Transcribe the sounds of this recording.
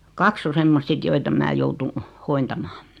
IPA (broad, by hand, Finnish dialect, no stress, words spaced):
kɑks o semːost sit joit em mæ joutun hointɑmɑː